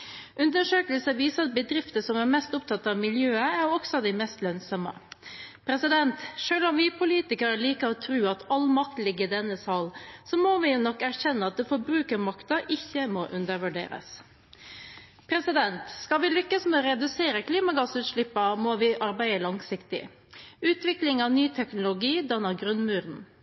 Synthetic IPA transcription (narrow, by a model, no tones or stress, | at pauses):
ʔʉnd̪əʂøːkəlsəʋiːsəɑt̪̚bəd̪ɾɪft̪əsɔmæɾmɛst̪ʊpt̪ʰɑt̪ːɑʋmɪljøːəæɾɔksɔd̪ɛɪmɛst̪lœnsɔmə̰pʰɾɛsɪd̪ɛnt̪ʂøːlɔmʋɪpʰʊliːt̪ɪkəɾəliːkəɾɔt̪ʰɾʉːɑt̪ɑlmɑk̚t̪lɪɡɪd̪ɛnːəsɑlsɔmɔʋɪnɔkːæɾçɛnːəɑt̪̚d̪ɛfɔɾbɾʉːkəɾmɑkt̪ɑʔɪçːəmɔʔʉnd̪əɾʋʉɖḛːɾə̰s | pʰɾɛsɪd̪ɛnt̪skɑʋɪlʏkːəsmɛɔɾɛd̪ʉseːɾəkʰliːmɑɡɑsʉːt̪ʃɭɪpːɑmoʋɪʔɑɾbæɪəlɑŋsɪkt̪ɪ̰ | ʉːt̪ʋɪklɪŋɑnyːt̪ʰɛknʊlʊɡiːd̪ɑnɑɡɾʉnmʉːɾn̩